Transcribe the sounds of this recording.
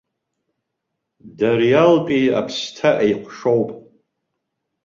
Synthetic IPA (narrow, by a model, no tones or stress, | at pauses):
darjalpʼia̰pʰstʰaʔejqʷʰʼʂowpʼ